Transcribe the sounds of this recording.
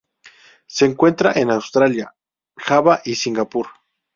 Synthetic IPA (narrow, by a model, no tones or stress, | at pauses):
seːŋkwe̞nt̪ɾaʔenawst̪ɾalja | xaβaʔisiŋɡapuɾ